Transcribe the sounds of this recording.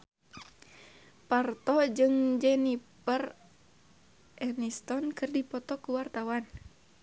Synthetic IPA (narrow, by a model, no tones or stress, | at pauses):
part̪ɔd͡ʒɨŋd͡ʒɛnipər | ʔɛnist̪ɔnkɨrdipɔt̪ɔkuwart̪awan